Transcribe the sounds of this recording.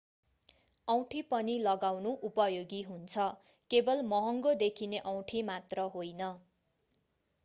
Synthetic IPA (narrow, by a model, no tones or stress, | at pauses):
ʌw̃ʈʰipʌnilʌɡawnuʔupʌjoɡiɦunt͡sʰʌ | kebʌlmʌɦʌŋɡod̪ekʰineʔʌw̃ʈʰimat̪rʌɦojnʌ